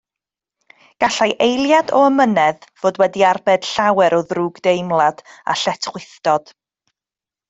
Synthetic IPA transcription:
ɡ̥aɬajʔejlˠjadɔəmənɛðv̥oːdwɛdiarbɛd̥ɬawɛɾɔðruːɡdejmlˠad̥a̰ɬɛtʰχwɪθd̥ɔd̥

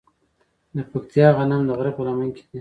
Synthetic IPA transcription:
d̪əpakt̪jɑɣanamd̪əɣɾapəlamaŋke̥d̪e

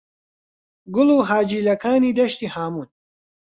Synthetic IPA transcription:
ɡʊluːɦaːd͡ʒiːlɐkaːniːd̪ɐʃt̪iːhaːmuːn

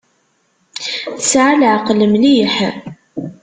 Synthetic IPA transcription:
θəsʕaləʕqləmliħ

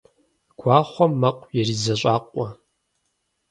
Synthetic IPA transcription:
ɡ̥ʷaːχʷɔmːɐqʷʼjɛriːzɐɕʷʼaːqʷʼɔ

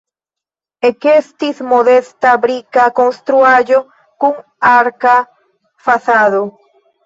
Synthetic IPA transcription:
ekest̪ismoðest̪abɾikakoŋst̪ɾuaʝo | kuŋ | aɾka | faθaðo

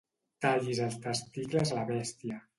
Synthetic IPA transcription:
t̪aʎizəlˠst̪əst̪iklezalaβɛst̪iə

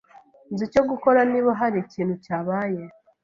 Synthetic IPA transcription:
nzico̞ɡuko̞ɾaniβoɦaɾiciːn̤hucaːβaje

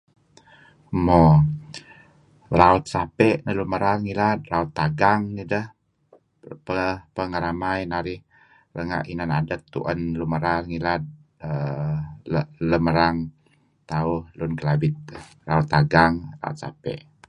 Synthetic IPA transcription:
mo | raut̪̚sapɛʔnəluməɾaŋilad̪̚raut̪ːaɡaŋnidəh | pəpəŋaɾamajnaɾɪh | rəŋa̰ʔinanadət̪ːṵʔənluməɾaŋilad̪̚ | ə | lələməɾaŋ | t̪auhlunkəlabɪt̪̚ | raut̪ːaɡaŋra̰ṵt̪̚sa̰pɛ̰ʔ

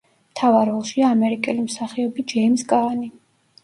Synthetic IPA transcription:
mt̪ʰavaɾɔlˠʃiaːmɛɾikʼɛlimsaχɛɔbid͡ʒɛmskʼaːni

